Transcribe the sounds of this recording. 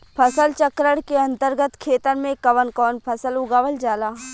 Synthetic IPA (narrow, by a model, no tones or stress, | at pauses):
pʰɐsəlt͡ʃəkɾəɽkeɐ̃nt̪əɾɡət̪kʰeːt̪əɾmẽkɐʋənkɔːnpʰɐsəlʊɡaːʋəld͡ʒaːlaː